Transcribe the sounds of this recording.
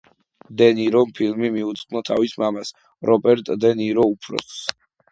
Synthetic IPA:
d̪ɛniɾɔmpʰilmimiut̪sʼqʼnɔt̪ʰa̰vismamas | ɾʔɔpʼɛɾt̪ʼd̪ɛniɾɔupʰɾɔ̰s

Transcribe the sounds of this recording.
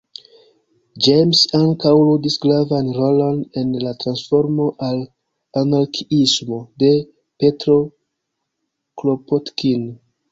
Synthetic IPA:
d͡ʒejmsaŋkawludisɡɾavanɾolo̞ne̞nlatɾansfo̞ɾmo̞ʔal | anaɾkʰiismode̞ | petɾo̞ | klopotkin

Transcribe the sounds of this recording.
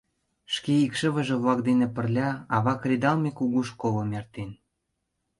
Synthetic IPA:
ʃkeikʃə̆βə̆ʒĕβlɑk̚d̪enĕpə̆rlʲɑɑβɑkrʲed̪ɑlmekuɣuʃkolɤ̆mert̪en

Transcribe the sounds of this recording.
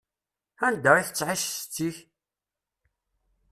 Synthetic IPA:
ænd̪æiθə̥t͡sːʕiʃst͡sːiç

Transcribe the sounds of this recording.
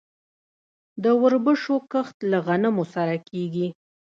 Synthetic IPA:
d̪əwəɾbəʃokəxt̪laɣanamosaɾakeɡi

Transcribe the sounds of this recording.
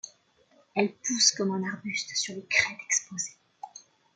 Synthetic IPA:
ɛlpuskɔmɑ̃naʁbyst̪syʁləkχɛt̪ɛ̥kspoze

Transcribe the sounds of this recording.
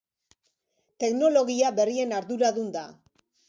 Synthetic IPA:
t̪e̞kno̞lo̞ɣiaβe̞rie̞naɾðuɾaðund̪a̰

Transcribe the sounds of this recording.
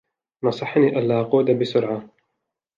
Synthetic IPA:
nɑsˤɨħːniːʔalːaːʔɑquːd̪abɪsʊɾʕa

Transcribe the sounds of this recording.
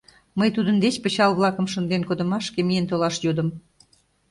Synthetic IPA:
məjt̪ud̪ənd̪et͡ɕpə̆t͡ɕɑlβlɑkə̆mʃə̆nd̪enkod̪ə̆mɑʃkemijent̪olɑʃjud̪ə̆m

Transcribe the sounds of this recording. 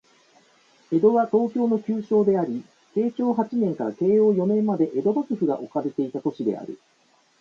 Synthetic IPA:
e̞d̪o̞βat̪o̞ːkʲo̞ːno̞kʲɨːɕo̞ːd̪e̞aɾʲi | se̞ːt͡ɕo̞ːɦat͡ɕinẽ̞ŋkaɾake̞ːjo̞ːjo̞nẽ̞mːad̪e̞ʔe̞d̪o̞bakɯ̟ɸɯ̟ɡaʔo̞kaɾe̞t̪e̞it̪at̪o̞ɕid̪e̞̰a̰ɾɯ̟̰

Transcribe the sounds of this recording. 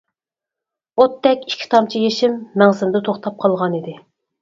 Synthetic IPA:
ot̪ːɛkʲi̥kʲʰːi̥t̪ʰɑmt͡ʃʰijeʃɪmːɛŋsɪnd̪ɨt̪ʰoχt̪ʰɑp̚qʰɑlˠʁɑnid̪ɪ

